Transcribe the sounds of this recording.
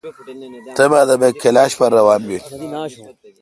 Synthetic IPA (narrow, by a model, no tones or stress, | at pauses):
t̪ebaːd̪ɐbekelaːɕpɐɾːɐwaːnbi